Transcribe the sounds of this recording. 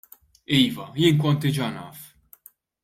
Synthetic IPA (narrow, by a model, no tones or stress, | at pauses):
iːvɐjɪːnkɔnt̪ɪd͡ʒɐnɐ̰ːf